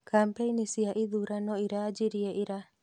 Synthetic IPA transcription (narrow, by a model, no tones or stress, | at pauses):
kampejnisiaʔid̪uɾanoiɾad͡ʒiɾieʔiɾa